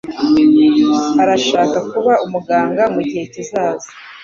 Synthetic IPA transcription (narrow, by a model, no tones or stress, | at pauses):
aɾaʃaːkakuβaumuɡaːŋɡamuɟihe̞cizaːzo̥